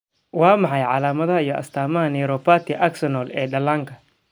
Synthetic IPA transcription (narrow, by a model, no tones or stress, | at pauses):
wɑːmɑħɑjʕɑ̰laːmɐðɐɦɐijɞʔɐ̰st̪ʰaːmɐɦɐnɛjɾɔpʰaːt̪ʰɪʔaksɐnɔːlɛːɖɐlaːŋkʰɐ